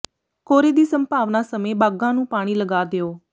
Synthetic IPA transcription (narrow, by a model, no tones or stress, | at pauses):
koːɾeːd̪iːsəmpaːʋnaːsəmẽːbaːɡãːnũːpaːɽ̃iːləɡaːd̪eːoː